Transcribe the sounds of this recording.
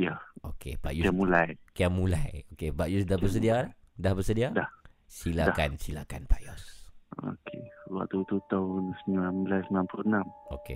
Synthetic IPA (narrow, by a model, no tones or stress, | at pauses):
jaokʰḛb̥aʔjuɛmulajkiamulajokebaʔjusdahbəs̬ədia | dahbəsədiadah | siladakansilakanpajɔso̰kʰewa̰ʔ̚t̪ut̪ut̪aunsəmlanmulajsəmlanpluənãmokḛ